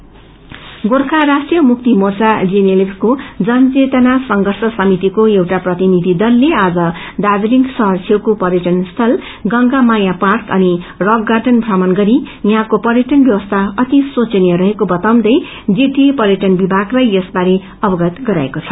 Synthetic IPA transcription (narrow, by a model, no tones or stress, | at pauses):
ɡorkʰaɾasʈrijʌmuk̚t̪imort͡sad͡zeneliskod͡zʌnt͡set̪ʌnasʌŋɡʱʌrsʌsʌmit̪ikoewʈaprʌt̪inid̪ʱid̪ʌlːead͡zʌ | ɖad͡zliŋɡsʌɦʌrt͡sʰewkopʌrjʌʈʌnst̪ʰʌl | ɡʌŋɡamajaparkʌnirʌɡːaʈʌnbʱramʌnɡʌɾijɦãkopʌrjʌʈʌnbjʌwʌst̪ʰaʌt̪isot͡sʌnjʌɾʌɦekobʌt̪aw̃nd̪ʌj | d͡ziʈiepʌɾjʌʈʌnbibʱaɡlajʌsbaɾe | ʌbʌɡʌt̪ɡʌɾaekot͡sʰʌ̥